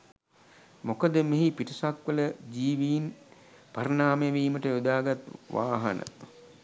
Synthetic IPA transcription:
mokəd̪əmeɦipiʈisakʋələd͡ʒiːʋiːn | paɾənaːmeʋiːməʈəjud̪aːɡat̪ʋa̰ːɦɐnə̰

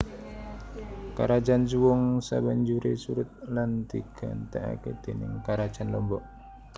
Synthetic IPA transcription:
kaɾad͡ʒansuwɔŋsa̰baɲd͡ʒuɾesuɾʊt̪̚lant̪iɡ̥a̰nt̪aʔa̰ked̪̥enɪ̰ŋkaɾḁd͡ʒanlɔmbɔʔ

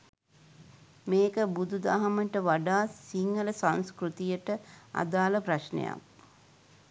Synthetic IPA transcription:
meːkəbud̪ud̪aɦaməʈəʋaɖaːsiŋɡələsãnskɾut̪ijəʈəa̰d̪aːləpraʃnḛja̰k̚

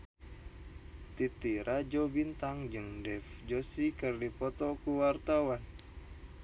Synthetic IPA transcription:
t̪it̪iɾʔad͡ʒobint̪aŋd͡ʒɨŋdɛfd͡ʒosikɨrdipɔt̪ɔkuwart̪awan

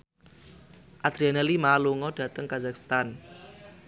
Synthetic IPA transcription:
ʔad̪̥ɾianɛlimaluŋɔɖ̥ä̤t̪əŋkazakst̪an

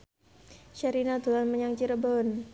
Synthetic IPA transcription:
ʃaɾinad̪ulanməɲaŋt͡ʃiɾəbɔn

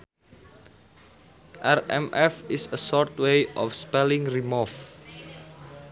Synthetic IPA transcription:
ʔɛrɛ̰mɛfisəsɔrt̪wejʔɔfspɛlɪ̃ŋrimɔf

